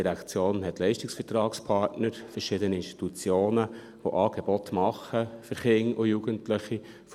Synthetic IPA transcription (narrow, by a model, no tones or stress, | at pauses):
iɾækt͡sjoːnɦɛtlɛɪʃtɪksfəɾtɾɑːkspʰɑɾtnəɾfəɾʃɪd̪əniɪnsti̥tut͡sjoːnə | ʋoʔɑːɡ̥ebɔt̪mɑχəfəɾχɪŋʊjuɡəntlɪχi | f